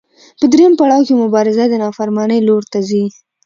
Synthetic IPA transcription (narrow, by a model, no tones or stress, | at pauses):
pəd̪ɾejəmpaɽɑwkemʊbɑɾɪzad̪ənɑfaɾmɑnəjloɾt̪azi